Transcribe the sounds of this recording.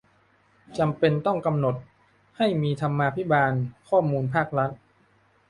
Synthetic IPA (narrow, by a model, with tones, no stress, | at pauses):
t͡ɕa˧mpe˧nt̪ɔ˥˩ŋka˧mno˨˩t̪̚ | ha˥˩jmiː˧t̪ʰa˧mːaː˧pʰi˦˥baː˧nkʰɔː˥˩muː˧npʰaː˥˩k̚ɾa˦˥t̪̚